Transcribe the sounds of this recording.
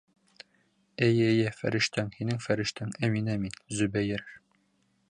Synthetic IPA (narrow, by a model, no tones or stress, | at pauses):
æjæjæfæ̰ɾiʃt̪æŋhinɘŋfæɾiʃt̪æŋæminæminzʉbæjɘɾ